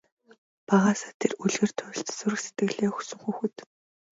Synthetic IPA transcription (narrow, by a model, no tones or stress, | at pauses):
paʁaːsḁːt̪ʰeruɮɣeːr̥t̪ʰʊ̆ːɬt̪sʊɾɘ̆xse̥t̪ɡɘ̆ɣɮeːxɵ̥sɵ̆ŋxuːxɘ̆t̪